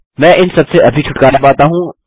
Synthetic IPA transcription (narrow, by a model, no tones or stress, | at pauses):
mɛ̃ːʔɪnsɐbseʔɐbʱit͡ʃʰʊʈkaːɾabaːt̪aɦũː